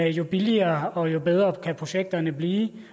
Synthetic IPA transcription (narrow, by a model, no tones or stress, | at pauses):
æjo̝b̥iliɐːɒ̽jo̝beð̞ˠʁɐkʰæpʰʁo̝ɕeɡ̥̚d̥ɐnəbliː